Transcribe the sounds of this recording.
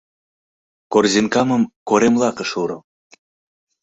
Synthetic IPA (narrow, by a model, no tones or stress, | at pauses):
korzinkɑmə̆mkoɾemlˠɑkə̆ʃuɾɤ̆